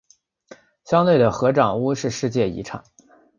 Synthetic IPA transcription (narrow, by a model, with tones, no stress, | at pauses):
ɕjɑ˥ŋt̪we˥˩ɪd̪ə˩xɤ˧˥ʈ͡ʂɑ˨˩ŋu˥ʂɻ̩˥˧ʂɻ̩˥˧t͡ɕjɛ˥˩ḭ˧˥ʈ͡ʂʰɑ̰˨˩˦ŋ